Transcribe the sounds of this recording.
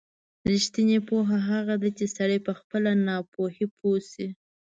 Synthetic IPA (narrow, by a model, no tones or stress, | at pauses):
ɾiʃt̪inepoɦaɦaɣad̪at͡ʃesaɽəjpəxpəlanɑpohipʰosi